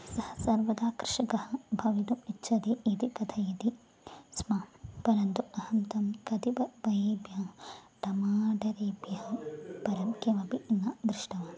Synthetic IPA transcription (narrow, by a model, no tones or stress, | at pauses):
sɐhɐsɐɾʋɐd̪aːkɾɪʂɐɡɐhɐbʱɐʋit̪umitːʃʰɐd̪eːʔid̪ikɐt̪ʰɐjɐt̪i | smaːpɐɾɐnt̪uɐhɐnt̪ɐmkɐt̪ipɐbɐjeːbjɐʈ̪ɐmaːɖɐɾeːbjɐɦɐpɐɾɐmkeːʋɐpiʔnːad̪ɾɪʂʈɐʋaːn